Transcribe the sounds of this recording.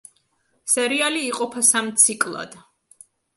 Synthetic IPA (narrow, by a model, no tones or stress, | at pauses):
sɛɾialiːqʼɔpʰasamt̪sʰikʼlˠa̰d̪̥